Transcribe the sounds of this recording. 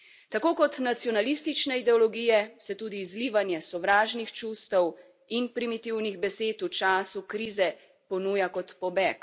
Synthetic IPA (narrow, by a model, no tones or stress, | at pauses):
t̪akoːkɔt̪nat̪sjɔnalist̪it͡ʃnɛid̪ɛɔlɔɡijɛsɛt̪uːd̪iːzliːʋanjɛsɔʋɾaːʒnixt͡ʃuːst̪ɔw | inpɾimit̪iwniɣbɛseːt̪ut͡ʃaːsukɾiːzɛ | pɔnujakɔt̪pɔbɛːk